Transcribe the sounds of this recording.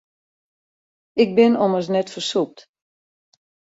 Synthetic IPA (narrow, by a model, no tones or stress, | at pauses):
ɪk̚bɪnɔməs̬nɛtfərsup̚t